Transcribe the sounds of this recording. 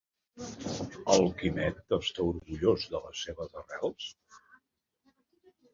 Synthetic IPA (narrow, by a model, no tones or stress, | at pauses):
əlˠkimɛt̪əst̪auɾɣuʎozðələsːeβəzərɛlˠs